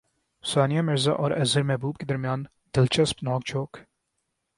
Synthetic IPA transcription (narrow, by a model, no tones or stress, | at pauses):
saːnijamɪɾzaʔɔːɾɐzəɾmɛɦbuːb̚ked̪ɐɾmijaːn | d̪̥ɪlt͡ʃɐspnɔːkt͡ʃʰoːk